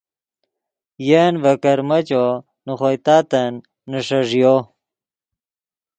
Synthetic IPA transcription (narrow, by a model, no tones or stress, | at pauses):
jenvɐkɐɾmɐt͡ɕo | nuχojt̪aːt̪ɐnː | əʂɐʐjo